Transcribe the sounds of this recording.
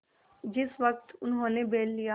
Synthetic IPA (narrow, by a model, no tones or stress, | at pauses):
d͡ʒɪsʋɐk̚t̪ʊnɦõːnebeːllija